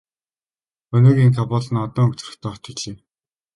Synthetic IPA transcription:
ɵnoːɣʲiːŋkʰapɔːɮ̆nɔt̪ɞ̆ŋɵk̚t͡srə̆xt̪ʰɔːt̪ʰɵ̆ɮeː

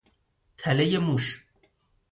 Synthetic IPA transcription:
t̪ʰælejemuʃ

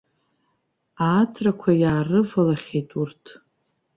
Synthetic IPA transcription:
aːt͡sʰʼrakʷʰajaːrɨvalaχʲejtʼurtʰ

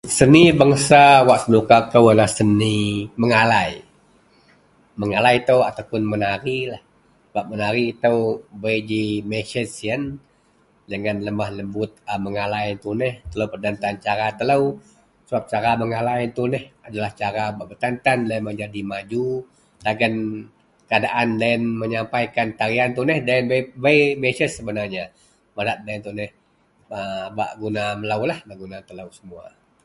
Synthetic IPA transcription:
sənibaŋsawaʔsənukak̚t̪əwalahsəniməŋalai | məŋalajt̪əwat̪awpʊnmənaɾilah | baʔmənaɾiːt̪əwbəjd͡ʒimet͡ʃəsiən | d͡ʒəŋanləmahləmbʊt̪̚əməŋalajnt̪unɛht̪ələwpərd̪ant̪ant͡ʃaɾat̪ələw | səap̚t͡ʃaɾaməŋalaint̪unɛhadalaht͡ʃaɾabaʔbərt̪ant̪andanməɲd͡ʒadimad͡ʒu | t̪aɡən | kəadaʔandaɛnməɲampajkant̪aɾiant̪unɛhdaɛnbbajbesəsːəbənarɲa | məɾat̪̚daɛnt̪unɛh | əba̰ʔɡunaməlawlahbaʔɡunat̪ələwsəmua̰

